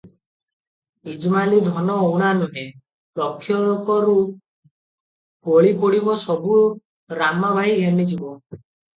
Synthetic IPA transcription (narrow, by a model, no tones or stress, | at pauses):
id͡ʒmalid̪ʱɔnɔːwɽ̃anuɦe | lɔkʰːjɔɾɔkɔɾu | koɭipɔɽibɔsɔbu | ɾamɔbʱaɦiɡʱenid͡ʒibɔ